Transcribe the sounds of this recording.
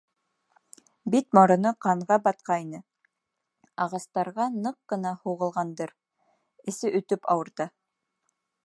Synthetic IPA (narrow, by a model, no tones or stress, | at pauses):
bit̪̚moɾɤ̆nɤqɑɴʁɑbɑt̪̚qɑjnɤ | ɑʁɑst̪ɑɾʁɑnɤqːɤ̆nɑhuʁɤ̆lˠʁɑnd̪ɤɾ | ɘ̆sɘʔɵ̆t̪ɵpɑwɤ̆ɾt̪ɤ